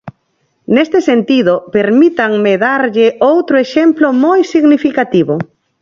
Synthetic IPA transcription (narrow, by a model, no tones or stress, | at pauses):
nest̪ɪsent̪iðʊpeɾmit̪aŋmeðaɾʎɪʔowt̪ɾoeʃemplomojsiɣnifikat̪iβʊ